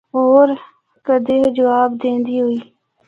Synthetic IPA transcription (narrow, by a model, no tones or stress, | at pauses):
oːɾ | kəd̪eɦd͡ʒəʋaːbd̪ẽːnd̪iːɦoiː